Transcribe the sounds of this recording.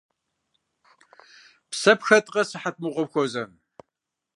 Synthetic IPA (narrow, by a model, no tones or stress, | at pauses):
psɐpxɐtʼqʼɐsɨħat̚ʼmɨqʷʼɔpxʷɔzɐn